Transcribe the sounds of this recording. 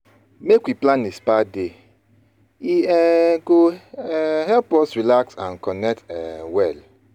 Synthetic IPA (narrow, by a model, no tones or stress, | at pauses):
mekwiplãnispade | iɛɡo | hɛlpɔsɹilaksãnkɔnɛk̚tɛwɛl